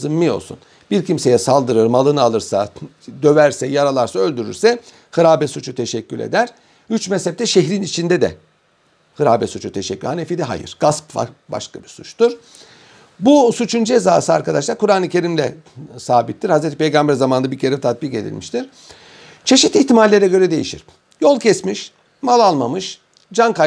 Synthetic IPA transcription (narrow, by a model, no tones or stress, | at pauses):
zɯmːijo̞̰lˠsṵn | b̥iɾcimse̞jɛsalˠd̪ɯɾɯɾmalˠɯnɯalˠɯɾsa | d̪ø̞væɾsɛjaɾalˠaɾsaø̞lʲd̪yɾy̰ɾsɛ | hɯɾaːbɛsut͡ʃʰut̪ʰe̞ʃɛcːylʲḛd̪æɾ̥ | yt͡ʃmɛshɛp̚t̪ɛʃeɦɾinit͡ʃʰind̪ɛd̪ɛ̰ | hɯɾaːbɛsut͡ʃʰut̪ʰeʃɛcːylhanefid̪ɛɦa̰jɯ̰ɾ̥ɡ̥aspba̰ba̰ʃkabiɾsut͡ʃt̪uɾ̥ | busut͡ʃʰund͡ʒezaːsɯaɾkad̪aʃlˠaɾkuɾaːnɯcʰe̞ɾimlʲɛ̰saːbit̪ːiɾhazɾet̪ʰi̥pʰe̞jɡambæɾzamanabiɾcʰeɾɛt̪ʰat̪̚bike̞̰d̪ḭlʲmiʃt̪ʰiɾ̥ | t͡ʃʰe̞ʃit̪içt̪imalʲːe̞ɾɛɟø̞ɾɛd̪e̞jḭʃḭɾ̥ | jo̞lˠcʰɛsmiʃ | malˠalˠmamɯʃ | d͡ʒanka